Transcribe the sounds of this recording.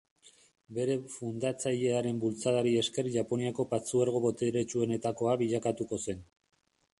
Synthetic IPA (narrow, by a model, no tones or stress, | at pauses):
be̞ɾe̞fund̪at͡saʎe̞aɾe̞mbult͡saðaɾie̞ske̞ɾʝapo̞niako̞pat͡suaɾɣ̞o̞βo̞t̪eɾet͡ʃue̞ne̞t̪ako̞aβiʎakat̪uko̞se̞n